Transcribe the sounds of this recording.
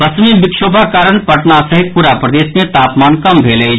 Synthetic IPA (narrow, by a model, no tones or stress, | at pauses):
ɐsmibɪkʃoːbʱakaːɾənpɐʈnasɐɦɪt̪̚puːɾapɾɐd̪eːsmẽt̪aːpmaːnkɐmbʱeːle